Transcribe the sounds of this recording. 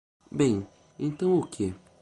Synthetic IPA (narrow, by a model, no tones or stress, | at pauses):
bẽj̃ | ẽnt̪ɐ̃w̃okʰe